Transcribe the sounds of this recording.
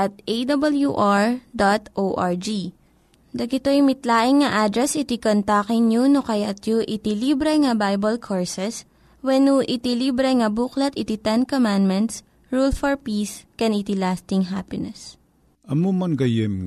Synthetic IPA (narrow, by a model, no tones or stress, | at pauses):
ʔɐt̪̚ʔejd̪ɐbɐljuʔaɹd̪at̪ʔowʔaɹd͡ʒi | d̪ɐɡɪt̪ojmɪt̪laːʔɪŋːɐʔad̪ɾɛsɪt̪ikont̪akɪŋɲunokɐjat̪juʔɪt̪ɪlibɾɛŋɐbajbɐlkʰoɹsɛs | wɛnuʔɪt̪ilibɾɛŋɐbuklɐt̪ɪt̪it̪ɛnkomãnd̪mɛnt̪s | ɹulfɔɹpiːskɛnit̪ilast̪ɪŋɦapɪnɛs | ʔɐmomɐnɡɐjɪm